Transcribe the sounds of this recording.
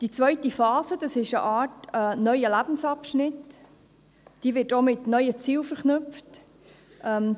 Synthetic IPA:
d̥it͡svœɥtifɑːsəd̥ɑsɪʃə̰ʔɑːtənœʏəlæb̥n̩sɑpʃnɪt | d̥iːvɪːtomɪtnœʏət͡siːlfəɾχnʉpft | ʔɛm

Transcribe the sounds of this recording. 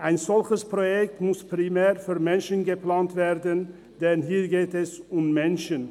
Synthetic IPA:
ʔaɪnzɔlçəspʁojɛktmʊspʁ̥imɛːʁfyːʁmɛnʃənɡəplaːntv̥eːʁdən | d̥ɛnɦiːʁɡeːtɛsʊmːɛnʃən

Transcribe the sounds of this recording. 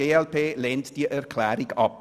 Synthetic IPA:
eːɛlpʰeːleːntd̥iːʔɛʁkʰl̥ɛːɾɪɡɑ̰p̚

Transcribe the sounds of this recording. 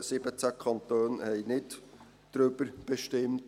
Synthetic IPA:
sɪbət͡sækʰɑnt̪øːnhɛɪnɪt | d̥ɾʏb̥əɾb̥eʃtɪmt

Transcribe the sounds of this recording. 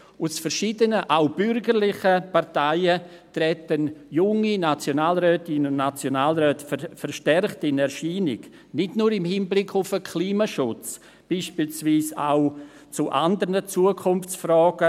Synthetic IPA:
ʊsfɛɾʃiːdənəʔaʊb̥ʏɾɡəɾlɪχəpaɾtaɪə | t̪ɾɛtənjʊŋinat͡sjonaːlɾœːtɪnəʊndnat͡sjonaːlɾœːtffɛɾʃtɛrχtɪnɛɾʃiːnɪɡ | nɪdnuːɾɪmhiːnblɪkʰːʊfəkʰliːmaʃʊt͡s | b̥iːʃpiːlsviːsa̰ʊ | t͡suʔandəɾnət͡suəkʰʊnft͡sfrɔːɡ̥ə

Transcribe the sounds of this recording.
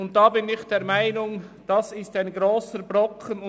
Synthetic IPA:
ʊnt̚d̥aːbɪnɪçd̥eːmaɪnʊŋd̥asɪstaɪnɡʁoːsəɾbʁɔkʰənʊ

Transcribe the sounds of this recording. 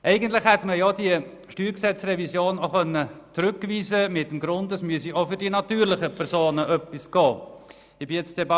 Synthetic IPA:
ʔɛɪɡən̩tlɪχhɛt̪məjɑd̥iə | ʃtyːɾksɛt͡srɛvisjoːnoχœnːət͡sɾʉkviːzəmɪtːmɡɾʊndəsmyəsiofʏɾdinɑt̪yːɾlɪχəpʰɛɾsoːnəʔœpːɪsɡ̥ɑː | ɪb̥ɪjɛt͡sd̥ɛbɑ

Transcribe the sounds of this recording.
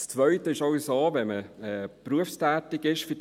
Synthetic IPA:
st͡sʋœʏtəɪʃɑwsoːʋɛməɛpɾuəfstæːt̪ɪɡɪʃfəd

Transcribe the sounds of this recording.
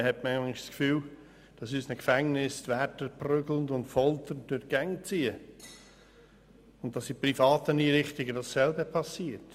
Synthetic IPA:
hɛtmɛlɪçskfyːl | d̥ɑsyːsnəkfæŋnɪstvɛtəɾprʏɡləndʊntfɔlt̪ən̚dʊɾɡ̥ɛŋt͡siːə | ʊnttːɑsɪprifɑːtəniːɾɪχtɪɡədɑsːɛlbəpʰɑsiːəɾt

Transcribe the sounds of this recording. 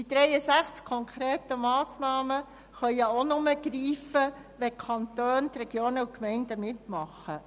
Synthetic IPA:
did̥̪ɾɛjəsæχt͡skʰɔŋkʰɾeːtəmɑːsnɑːmə | χœʏəonʊməɡ̥ɾiːfə | ʋɛkʰɑnt̪øːnt̪ɾɛɡ̥joːnəukmɛɪndəmɪtmɑχə

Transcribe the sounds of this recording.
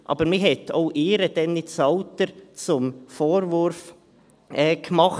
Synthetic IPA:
ʔɑ̰ːb̥əɾmiɦɛtoʊʔɪːɾəd̥ɛnːɪt͡sɑʊt̪əɾt͡sʊmfoːɾvʊɾf | ʔɛːkmɑχ

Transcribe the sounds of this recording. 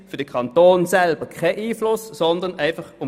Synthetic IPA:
fyɐd̥əkʰɑnt̪oːnsɛlbəkʰɛːʔiːflʊssɔnd̪ənæɪfɑχʊ

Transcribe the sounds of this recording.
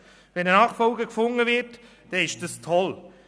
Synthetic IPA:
vɛnənɑːχfɔlɡəkfʊŋːəvɪɾt | d̥ɛɪʃd̥əstʰɔl

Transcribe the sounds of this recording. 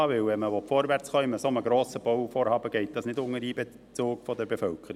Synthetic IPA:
ɑʋɪwɛməʋɔtfɔːɾʋært͡sχœiməsoməɡɾoːsəb̥owfoːɾhɑːbəɡ̥ɛɪt̚d̥ɑsnɪdʊŋːəɾiːbe | t͡sʊːkfɔdɛɾbefœlkʰəɾi

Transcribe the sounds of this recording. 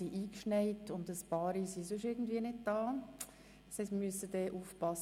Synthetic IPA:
iʔiːkʃnɛɪtʊndəspɑːɾisisøʃɪrɡn̩dviːənɪd̚d̥ɑ̥ː | shɛɪstməmyəsəd̥ɛːʔuːfpɑs

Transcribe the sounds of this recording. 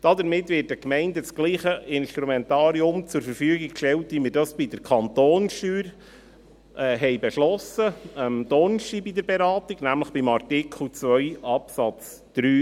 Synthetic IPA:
d̥ɑdəɾmɪtːʋɪːt̚dəkmɛɪndət͡sɡ̥liːχəʔɪnʃtɾumɛntɑːɾiʊmt͡sʊɾfəɾfyːəɡiɡkʃtɛltʋimɪɾdɑsb̥idəɾkʰɑnt̪oːnʃtyːɾ | ʔɛɦɛɪbɛʃlɔsəəmd̪ɔnʃibidəɾbeɾɑːtiɡ̥næmləχb̥imɑrtɪkʰl̩t͡sʋœʏɑpsɑt͡s | d̥ɾyː

